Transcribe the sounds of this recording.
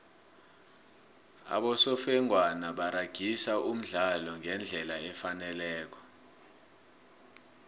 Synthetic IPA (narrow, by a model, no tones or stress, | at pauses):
a̰ɓɔsɔfɛŋwanaɓaɾaɡ̥ʱisaum̩ɮalɔŋɛnd͡ɮʱɛlaɛfanɛlɛːk̬ɔ̥